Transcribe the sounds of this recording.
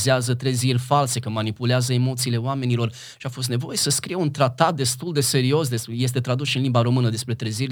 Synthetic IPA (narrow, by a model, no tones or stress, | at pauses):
zeazət̪ɾezirʲfalse̞kəmanipuleazəe̞mo̞t̪siːleoame̞nilo̞r | ʃiafo̞s̬t̪ne̞vo̞je̞səskɾijeunt̪ɾat̪at̪̚d̪e̞st̪uld̪e̞se̞ɾio̞s̬d̪e̞speje̞s̬t̪e̞t̪ɾad̪usʃiɨnlimbaɾo̞mɨnəd̪e̞spɾe̞t̪ɾezirʲ